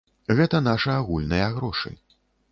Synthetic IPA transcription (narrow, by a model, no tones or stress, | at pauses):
ɣɛt̪ɐn̪aʂɐaɣulʲnɐjɐɣɾɔʂɨ̰j